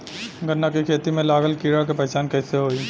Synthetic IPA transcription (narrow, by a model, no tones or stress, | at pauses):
ɡʱənːakikʰeːt̪imẽlaːɡəlkiːɽakepɛt͡ʃaːnkɛːseɦoːiː